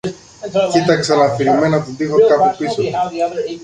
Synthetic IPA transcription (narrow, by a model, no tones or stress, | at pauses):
tit̪ɐksɐnɐfiɾimenɐt̪ud̪ixokapupiso